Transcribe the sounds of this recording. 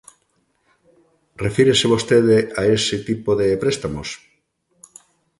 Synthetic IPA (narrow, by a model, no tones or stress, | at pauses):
refiɾeseβ̞ost̪eðeaesɪt̪ipoðepɾest̪amos